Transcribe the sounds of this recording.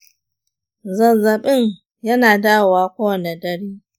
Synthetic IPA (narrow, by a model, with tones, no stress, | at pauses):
zɐ˨zɐ˨ɓɪ˦ŋ | jɐ˦naː˨daː˦˨waː˨kʷoː˦wɐ˨ne˨dɐ˦ɽiː˦